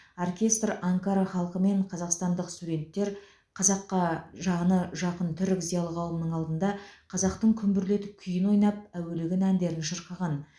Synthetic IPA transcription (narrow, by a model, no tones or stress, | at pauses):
orkʲe̞st̪rɑŋkaɾaχɑlˠqəme̞ɴqʰɑzɑqst̪ɑnd̪əqst̪ud̪ʲe̞nt̪ːe̞ɾ | qʰɑzɑqːɑʒɑʁənəʒɑqənt̪ʰʏɾɪkzijɑlˠəqʰɑw̪ˠəmənəɴɑlˠd̪ənd̪ɑqʰɑzɑq̚t̪əɴkʲʰʏmbʏɾle̞t̪ɪp̚kʲʰʏjɪnwo̞jnɑp̚æwelɪɡʲɪnænd̪e̞ɾɪnʃəɾqɑʁɑn